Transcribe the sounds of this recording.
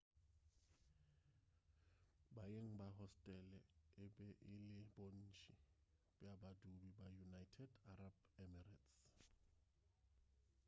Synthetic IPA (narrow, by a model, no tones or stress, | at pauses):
bajeŋ̩baɦɔstʼɛlɛɪbɛʔɪlɪbon̩ːt͡ʃʰʼi | b̥ɛabadubibajunajtʰɛdarabɛmɛrats